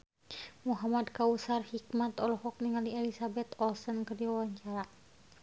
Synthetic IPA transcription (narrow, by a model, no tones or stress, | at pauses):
muɦamad̪kausarhik̚mat̪ɔlɔhɔk̚niŋaliɛlisabɛt̪ɔlsənkərdiwawaɲt͡ʃaɾa